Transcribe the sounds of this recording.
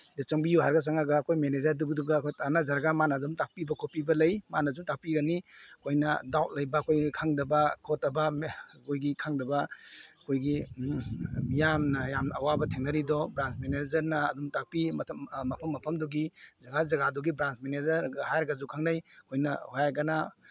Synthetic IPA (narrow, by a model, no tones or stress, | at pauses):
det͡ʃɐŋbijuɦaɾɡas̬aŋaɡaːkʰojmenezɐɾduɡdɔɡakʰojtanazaɾɡamanadumtak̚pibɐkʰopibɐlɐjmanazumtak̚piɡanikʰojnɐ̰dawt̚lɐjbaːkʰojɡikʰaŋdɐbɐkʰɔtɐbɐkʰojɡikʰaŋdɐbakʰojɡi | mijamnɐjamawabɐtʰeŋnɐɾidɔbɾansmenezɐɾnɐːdumtak̚pitʰmɐpʰɐmːɐpʰɐmdɔɡizɐɡazɐɡadɔɡibɾansmenezɐɾɡaɦajɾɡazukʰaŋnajkʰojnɐhajaɡana